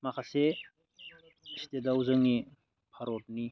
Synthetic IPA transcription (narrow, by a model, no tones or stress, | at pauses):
makʰase | stedawzaŋi | pʰaɾot̚ni